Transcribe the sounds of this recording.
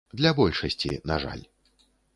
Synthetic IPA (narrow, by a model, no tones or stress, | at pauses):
d̪lʲɐbɔlʲʂɐsʲt͡sʲḭnaʐa̰lʲ